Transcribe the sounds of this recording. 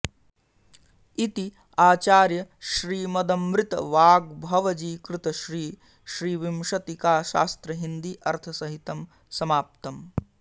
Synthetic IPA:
it̪i | aːt͡ʃaːɾjɐʃɾiːmɐd̪ɐmɾɪt̪ɐ̰ʋaːɡ̚bʱɐʋɐd͡ʒiːkɾɪt̪ɐʃɾiː | ʃɾiːʋimʃɐt̪ikaːʃa̰ːst̪ɾɐɦind̪iːʔɐɾt̪ʰɐsɐɦit̪ɐm | sɐmaːp̚t̪ɐm

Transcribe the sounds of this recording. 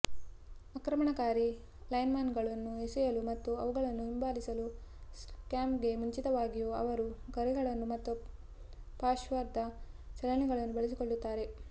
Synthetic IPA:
ɐkɾɐmɐɳɐkaːɾi | lɐjnmaːnɡɐɭɐnːuesɛjɐlumɐt̪ːuɐʋuɡɐɭɐnːuɦimbaːlisɐluskaːmpɡe̞muɲt͡ʃit̪ɐʋaːɡijuɐ̰ʋɐɾuɡɐɾɛɡɐɭɐnːumɐt̪ːu | paːʃʋɐɾd̪ɐt͡ʃɐlɐnɛɡɐɭɐnːubɐɭis̬ikoɭːut̪ːaːɾe̞

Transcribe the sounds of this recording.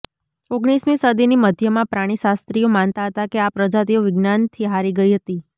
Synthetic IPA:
oɡɽ̃ismĩsəd̪iniməd̪ʱjəmãpɾaɽ̃iʃast̪ɾijomant̪aɦət̪akeapɾəd͡ʒat̪ioʋɪɡnant̪ʰiɦaɾiɡəiɦət̪i

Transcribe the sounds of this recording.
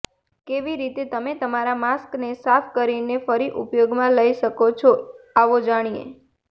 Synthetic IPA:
keʋiɾit̪et̪əmet̪əmaɾamasknesafʰkəɾinefəɾiʔʊpjoɡmãləiʃəkot͡ʃʰoaʋod͡ʒaɽ̃ijḛ

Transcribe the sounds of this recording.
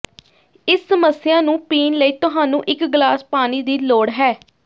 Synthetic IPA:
ɪsːəməsɪjaːnũːpiːnləiːt̪ʊɦaːnũːʔɪkɡlaːspaːniːd̪iːloːɽɦɛː

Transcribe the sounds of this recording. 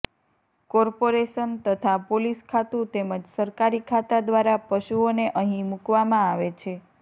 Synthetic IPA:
kɔɾpoɾeʃənt̪ət̪ʰapoliskʰat̪ũt̪eməd͡ʒsəɾkaɾikʰat̪ad̪ʋaɾapəʃuoneʔəɦĩmukʋamãaʋet͡ʃʰe

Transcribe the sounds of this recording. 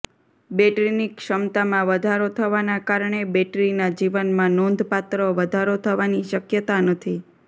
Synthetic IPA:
beʈɾinikʃəmt̪amãʋəd̪ʱaɾot̪ʰəʋanakaɾɳebɛʈɾinad͡ʒiʋənmãnond̪ʱpat̪ɾəʋəd̪ʱaɾot̪ʰəʋaniʃəkjət̪anət̪ʰi

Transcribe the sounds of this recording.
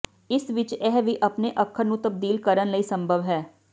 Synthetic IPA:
ɪsʋɪt͡ʃɛɦʋiʔɐpneʔɐkʰːəɾnũt̪ɐb̚d̪iːlkəɾənləisə̃mbʱəʋɦɛː

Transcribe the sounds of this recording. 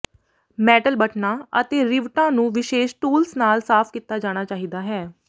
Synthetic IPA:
mɛːʈəlbəʈnãːət̪eːɾɪʋʈãːnũːʋɪʃeːʃʈuːlsnaːlsaːpʰkiːt̪ːaːd͡ʒaːɽ̃aːt͡ʃaːɦiːd̪aːɦɛː

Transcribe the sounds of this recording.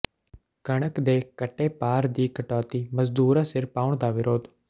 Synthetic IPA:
kəɽ̃əkd̪eːkəʈeːpaːɾd̪iːkəʈɔːt̪iːməzd̪uːɾãːsɪɾpaːʊɳd̪aːʋɪɾoːd̪

